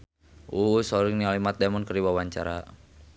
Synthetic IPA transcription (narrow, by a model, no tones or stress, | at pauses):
ʔusɔɾiŋnialimat̪̚dɛmɔnkəɾiwawaɲt͡ʃa̰ɾa̰